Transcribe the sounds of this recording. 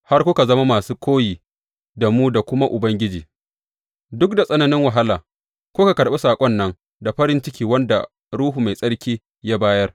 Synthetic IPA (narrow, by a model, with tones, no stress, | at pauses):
ha˦rkʷʊ˦ka˨zɐ˦ma˦maː˨suː˦kʷʰoː˦jiː˨ | da˨muː˦da˨kʷʊ˦ma˦ʔʊ˨bɐ˦ŋɡʲɪ˦d͡ʒiː˨ | dʊ˦k̚da˨sʼɐ˦nɐ˦nɪ˦ŋwa˨ɦa˦laː˨ | kʷo˦ka˨kɐ˨ɽɓa˦saː˨kʷʼɔ˦nːɐ˦ŋ | da˨ɸɐ˦ɾɪ˦nt͡ʃɪ˦kʲiː˨wɐ˦nda̰˨ | ɾuː˦ɦu˨ma˨jsʼɐ˦ɽkʲiː˦ | ja˦baː˦jɐ˦r